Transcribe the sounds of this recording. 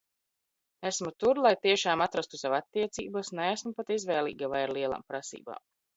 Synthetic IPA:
æsmut̪uɾlˠajt̪iɛʃaːmat̪ɾast̪u̥savat̪ːiɛt̪sḭːbasnɛæsmupat̪izvɛːlˠḭːɡavajaɾlˠiɛlˠa̰ːmpɾasḭːba̰ːm

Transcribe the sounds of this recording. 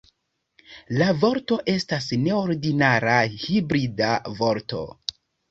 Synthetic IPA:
lavo̞ɾto̞ʔe̞stasne̞oɾdinaɾahibɾidavo̞ɾto̞̰

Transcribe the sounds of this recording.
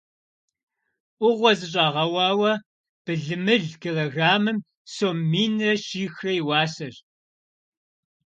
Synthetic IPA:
ʔʷʊʁʷɔzɨɕ̬ʼɑːʁɐwɑːwɐ | b̥ɨɮɨmɨɮkʰeloɣaːmɨm | soːmːiːnɐʃiːxrɐjwɑːsɐr

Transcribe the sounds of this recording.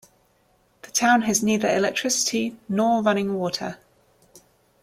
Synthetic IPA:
ðətʰãʊ̃nəzniːðəɹɪ̰lɛk̚tʰɹ̥ɪsɪ̥tʰinɔːɹʌñɪ̃ŋwɔˑtʰə̰

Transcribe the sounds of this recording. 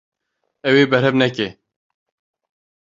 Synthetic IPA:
ɛweːbɛɾhɛvnɛke

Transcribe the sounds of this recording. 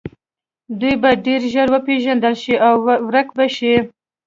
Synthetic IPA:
d̪ujbaɖeɾʒəɾwəpeʒand̪əlʃiʔawːɾəkbaʃi

